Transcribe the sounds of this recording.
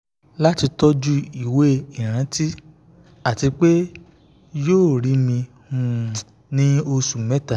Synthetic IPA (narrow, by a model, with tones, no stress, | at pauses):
la˦ti˧tɔ˦d͡ʒu˦i˦˨we˦˨i˨ɾ̃ã˨˦ti˦ | a˨ti˧k͡pe˦ | joː˦˨ɾi˨˦mĩ˧ | hũ˦˨ | nĩ˦o˧su˨mɛ˦ta˦˨